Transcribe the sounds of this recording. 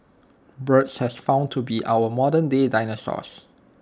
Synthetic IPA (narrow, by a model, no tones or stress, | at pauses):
bɹətshɛsfãʊ̃ntʰubiʔa̰wəmɔdə̃ndedajnəsɔ̰s